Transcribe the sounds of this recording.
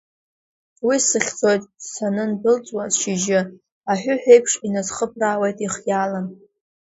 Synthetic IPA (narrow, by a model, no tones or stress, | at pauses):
wisɨχʲt͡sʼo̞jtʼsanɨnbɨlt͡sʼwasʃɪʒɪ | aħʷᶣʊħᶣʷejpʰʂinazχəp̚ʰrawejtʼiχjalan